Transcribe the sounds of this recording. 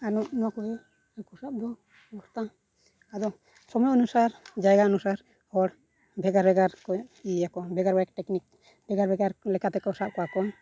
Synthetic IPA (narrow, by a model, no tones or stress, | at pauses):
anɔʔnɔakɔbɛ | akɔsap̚d̪ɔ | bɔɾt̪a | ad̪ɔ | sɔmɔjɔɔnusaɾd͡ʒajɡaɔnusaɾ | ɔɽ | bʱɛɡaɾbɛɡaɾkɔiakɔnbʱɛɡaɾbaɛk̚ʈɛknik̚ | bɛɡaɾbɛɡaɾlɛkat̪ɛkɔsaʔ̚kɔwakɔn